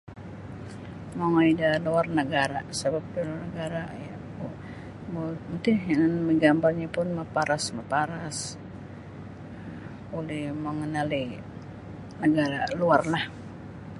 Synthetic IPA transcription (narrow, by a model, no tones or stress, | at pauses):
maŋaidaluarnəɡaɾasabap̚dulunəɡaɾaja | boənt̪ianməɡambarɲapʊnmapaɾasmapaɾas | ulɪhməŋənali | nəɡaɾaluarlah